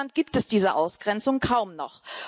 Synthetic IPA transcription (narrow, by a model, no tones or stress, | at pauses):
ant̚ɡ̥iːp̚tɛsd̥iːzəʔaʊsɡ̥ʁɛnt͡sʊŋkʰaʊmnɔχ